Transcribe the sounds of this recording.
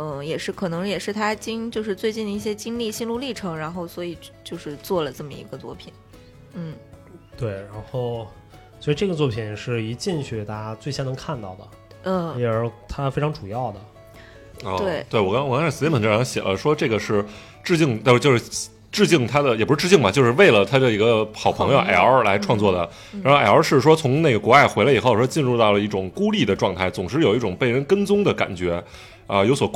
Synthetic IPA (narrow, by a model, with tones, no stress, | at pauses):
jɛ˨˩ʂɻ̩˥˩kʰɤ˨˩nɤ˧˥ŋjɛ˨˩ʂɻ̩˥˩t̪ʰa˥t͡ɕi˥ŋt͡ɕjo˥˧ʂ̬ɻ̩˥˧t͡swe˥˧ɪt͡ɕi˥˩nd̪ə˩i˥˩ɕ̬jɛ˥t͡ɕi˥ŋli˥˧ɕi˥˧nlu˥˧li˥˩ʈ͡ʂʰɤ˧˥ŋɻa˧˥nxo˥˩ʊswɔ˧˥i˨˩t͡ɕjo˥˧ʊʂɻ̩˥˧t͡swɔ˥˩lə˩ʈ͡ʂɤ˥˩mə̰˩ḭ˧˥ɡə˧t͡swɔ̰˥˩pʰḭ˨˩˦n | n̩˥˩t̪we˥˩ɪɻa˧˥nxo˥˩˧ʊ | swɔ˧˥i˧˥ʈ͡ʂɤ˥˩ɡə˩t͡swɔ˥˩pʰi˨˩nʂɻ̩˥˩i˧˥t͡ɕi˥˧ŋɕɛ˥˩t̪a˥˩˥t͡swe˥˩ɪɕjɑ˥nɤ˧˥ŋkʰa˥˧nt̪ɑ˥˩ʊd̪ə˩˥˧ | lɛ˧˥ə˞˧˥t̪ʰa˥fe˥ɪʈ͡ʂʰɑ˧˥ŋʈ͡ʂu˨˩jɑ˥˩ʊd̪ə˩ | ɔ˥˩˥t̪we˥˩ɪwɔ˨˩kɑ˥wɔ˨˩kɑ˥ŋʂʰa˥˩s̩˧˥ə˨˩ʈ͡ʂʰɕjɛ̰˨˩lə˦ʂwɔ˥ʈ͡ʂɤ˥˩ɡə˩ʂɻ̩˥˧ | ʈ͡ʂɻ̩˥˧t͡ɕi˥˧ŋt̪a˥˧ʂ̩˥˧t͡ɕjʊʂ̩˥˩ | ʈ͡ʂɻ̩˥˧t͡ɕi˥˩ŋt̪ʰa˥d̪ə˨jɛ˨˩p̩˧˥˧ʈ͡ʂɻ̩˥˧t͡ɕi˥˩ŋmbɐ˨˩t͡ɕjo˧ʊʂɻ̩˥˧we˥˩ɪlə˩t̪ʰa˥ʈ͡ʂɤ˥˩i˧˥ɡə˧xɑ˨˩ʊpʰɤ˧˥ŋjo˧ʔa̰˧˩ɪə˞˧la˧˥ɪʈ͡ʂʰwɑ˥˧ŋt͡swɔ˥˩d̪ə˩ | ɻa˧˥nxo˥˩˧ʔa˨˩ə˞˧˥ʂɻ̩˥˩ʂwɔ˥t͡sʰʊ˧˥ŋne˥˩ɡə˩kwɔ˧˥a˥˩ɪxwe˧˥la˧˥˨xo˥˩ʂɔ˥t͡ɕi˥˧nɻu˥˧t̪ɑ˥˩ʊlə˩i˥˩ʈ͡ʂʊ˨˩ŋku˥li˥˩d̪ə˩ʈ͡ʂwɑ˥˧ŋt̪ʰa˥˩ɪt͡sʊ˨˩ŋʂɻ̩˥˩jo˨˩ʊi˥˩ʈ͡ʂʊ˨˩ŋpe˥˩ɪɻə˧˥nkə˥nt͡sʊ˥ŋd̪ə˨ka̰˨˩nt͡ɕɥɛ˧˥ | ə˧jo˧˥ʊswɔ˨˩